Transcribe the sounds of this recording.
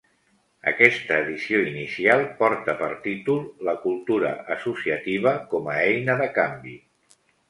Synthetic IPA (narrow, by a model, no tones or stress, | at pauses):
ə̰kɛst̪əːðisioinisialˠpɔɾt̪əpəɾt̪it̪ulˠləkulˠt̪uɾə̰əsusiət̪iβ̞əkɔməɛjnəðəkambi